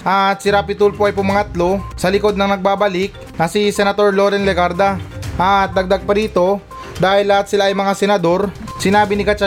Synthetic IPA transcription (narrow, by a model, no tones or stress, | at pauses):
ʔɐt̪sɪɾapɪt̪ulpoʔɐjpʊmaŋɐt̪lo̞sɐlɪko̞d̪̚nɐŋnɐɡ̚baːbɐlɪk̚nɐsisɛnɐt̪o̞ɾlo̞ːɾɛnlɛɡaɾd̪aʔɐt̪̚d̪ɐɡ̚d̪aɡ̚pɐɾiːt̪o̞ | d̪aːhɪlːɐhat̪sɪlaʔɐjmɐŋasɛnɐd̪o̞ɾ | sɪnaːbɪnɪkat͡ʃa